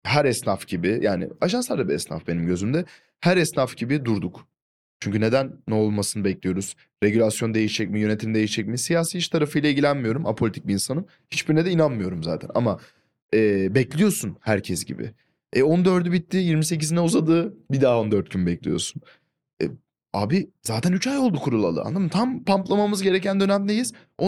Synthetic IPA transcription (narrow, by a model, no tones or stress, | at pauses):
hæɾɛsnafɟ̥ibɪjʔaːnɪ̰aʃansˠaɾd̪abiɛsna̰fbe̞nimɟø̞zymd̪ɛ | hæɾɛsnafɟibid̪uɾd̪uk | t͡ʃʰyɲcyne̞d̪ænːɛo̞lˠmasɯnɯbɛclʲijo̞ɾuz̥ | ɾe̞ɟylʲasjo̞nd̪e̞jiʃɛc̚mijø̞ne̞t̪ʰimd̪e̞jiʃɛc̚misijaːsiit͡ʃt̪ʰaɾafɯjlˠaiɟilʲænmijo̞ɾumapʰolʲit̪ʰic̚biːnsanɯm | hit͡ʃbiɾnɛd̪ɛinanmɯjo̞ɾumza̰ːt̪ʰæ̰na̰ma | ɛːbɛclʲijo̞ɾsunhæɾcʰɛsɟḭbɪ̰ | ɛo̞nd̪ø̞ɾd̪ybit̪ʰːiːjiɾmise̞c̬izinɛuzad̪ɯːbid̪aːo̞nd̪ø̞ɾt̪̚ɟynbɛclʲḭjo̞̰ɾsun | ɛ̰ | aːbiz̥aːt̪ʰænyt͡ʃajo̞lˠd̪ukʰuɾulˠa̰lˠɯ̰ʔa̰nlˠad̪ɯmt̪ʰampamplˠamamɯzɟe̞ɾecʰænd̪ø̞næmd̪e̞jiz̥ | o